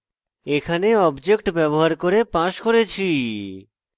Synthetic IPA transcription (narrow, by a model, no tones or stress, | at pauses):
ekʰaneɔbd͡ʑek̚ʈbɛboɦaɾkoɾepãʃkoɾet͡ɕʰi